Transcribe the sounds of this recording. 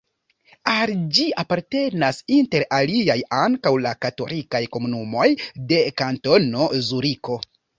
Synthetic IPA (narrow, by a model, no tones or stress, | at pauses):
ald͡ʒiapaɾte̞nasinte̞ɾaliajaŋkawlakato̞lʔikajko̞munumo̞jde̞kanto̞no̞zuɾiko̞